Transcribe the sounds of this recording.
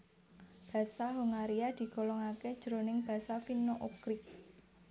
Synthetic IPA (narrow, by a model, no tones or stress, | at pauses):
b̥ä̤saɦoŋaɾiad̪̥i̤kolɔŋaked̥ʒ̥ɾo̤nɪŋb̥a̤safinoʔukɾɪk̚